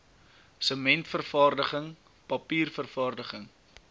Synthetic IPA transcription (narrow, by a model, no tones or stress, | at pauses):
səmɛntfərfɑːrdəχəŋ | pɐpiːrfərfɑːrdəχəŋ